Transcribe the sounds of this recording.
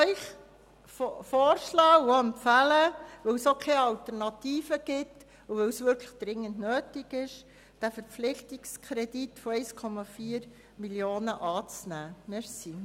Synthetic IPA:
œɪχ | fofoːrʃlɑːwɛmpfæləʋœwsokʰeːɑlt̪əɾnɑtiːfəɡ̥ɪt | uʋœwsʋʏɾkʰləχd̥ɾɪŋːəndnøːtiɡɪʃ | d̥æfəɾp͡flɪχtikskʰɾɛditfoɛɪskʰɔmɑfiːəɾ | miljoːnəʔɑːt͡snæːmeɾsi

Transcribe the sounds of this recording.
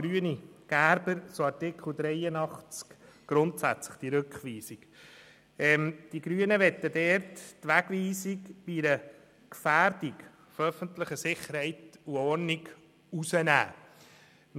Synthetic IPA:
ɾyːəniɡ̥æɾbəɾt͡soɑɾtɪkχl̩d̪ɾɛjənɑχt͡skɡ̥ɾʊntsæ̰t͡slə̥χd̥iɾʉkχʋiːsik | ɛmd̥iɡɾyːənəʋɛtːədɛːɾttʋæɡ̥ʋiːsikb̥iiɾə | kfæːɾd̥ik | fœfəntləχəsɪχəɾhɛɪtuɔɾniɡ | usənæ̰ː

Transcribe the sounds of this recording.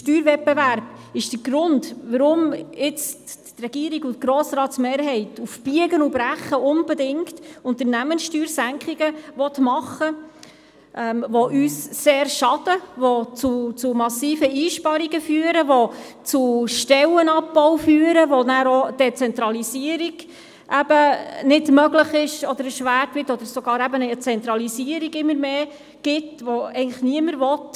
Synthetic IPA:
ʃtyːɾvɛppeʋæɾb̥ɪʃd̥əɡɾʊndʋəɾʊmɪt͡s | rɛɡ̥iəɾiɡʊtɡ̥ɾɔːsɾɑːtsmeːɾɦɛɪtufb̥iəɡənubɾæχːəʔʊnbɛdɪŋktʊnt̪əɾnæmənsʃtyːɾsæŋkχiɡəʋɔt̪mɑχə | ʔɛmʋɔʔyːsseːrʃɑd̥əʋɔt͡sut͡sumɑsiːfəiːʃpɑɾiɡəfyːəɾəʋot͡suʃtɛlənɑpːɔwfyːəɾəʋonæːɾod̥ɛt͡sɛnt̪ɾɑlisiəɾiɡ̥ | ʔæb̥ənɪdmœɡləχɪʃɔd̥̪əɾəʃʋæːɾtʋɪtɔd̪əɾsoɡɑːɾæbənət͡sɛnt̪ɾɑlisiəɾiɡɪmːəɾmeː | ɡ̥ɪtʋoɛɪɡŋləχniəməɾʋɔt

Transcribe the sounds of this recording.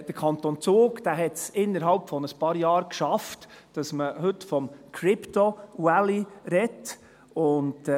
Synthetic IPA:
d̥əɾkʰɑnt̪ont͡soːɡkd̥æːɦɛtsɪnːəɾɦɑlpfɔnəspɑːɾjɑːɾkʃɑft | d̥ɑsməhɵtfɔmkʰɾɪptowæliɾɛt | ʊnd

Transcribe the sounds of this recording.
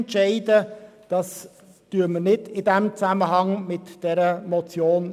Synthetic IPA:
ntt͡ʃɛɪdəd̥ɑs | d̥yːəɾmənɪdɪdɛmt͡sæməɦɑŋmɪtd̥ɛɾəmɔt͡sjoːn

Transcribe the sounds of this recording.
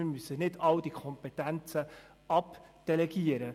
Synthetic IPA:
ɪmysənɪdɑldikʰɔmpɛt̪ænt͡sə | ɑpd̥ɛlɛɡiəɾə

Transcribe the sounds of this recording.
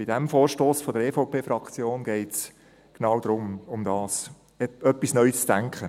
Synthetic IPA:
bɪdɛmfoːɾʃtoːsfɔdəɾeːfoʊpʰeːfɾɑkt͡sjoːnɡ̥ɛɪts | ɡ̥nɑwd̪ɾʊmʊmd̥ɑːs | ɛœpːisnœʏsd̥æŋkʰχə

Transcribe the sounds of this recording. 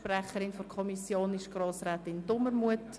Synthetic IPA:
pɾæχəɾɪnfɔɾkʰɔmisjoːnɪʃɡ̥ɾoːsɾɛːtɪndʊməɾmuət

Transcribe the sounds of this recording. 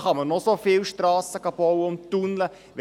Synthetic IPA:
χɑmənosofɪlʃtrɑːsəkɑb̥ɔwəʊnt̪unlə | ʋ

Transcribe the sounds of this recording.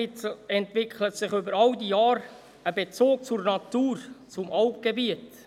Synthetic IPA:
ɪɛntvɪkʰχlət̪sɪχʏbəɾɑwd̪ijɑːɾ | əbet͡soːk̚t͡sʊrnɑt̪uːrt͡sʊmʔɑwpɡ̥ebiət

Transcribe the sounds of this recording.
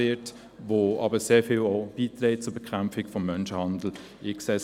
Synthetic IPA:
ɪt | ʋoːɑ̰bəseːɾfɪlob̥iːtɾɛːt̚t͡sʊbɛkʰχamfɪkfɔmːœnʃəhɑndl̩ | ɪksɛ

